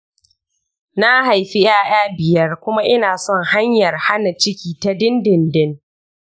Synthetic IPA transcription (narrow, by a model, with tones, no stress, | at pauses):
na˦ɦa˨jɸi˦j̰aː˦j̰aː˦bɪ˨jɐ˦rkʷʊ˦ma˦ʔɪ˦naː˨sɔ˦˨ŋha˦ɲjɐ˨rha˦na˨t͡ʃɪ˦kʲiː˨ta˦dɪ˦ndɪ˨ndɪ˦n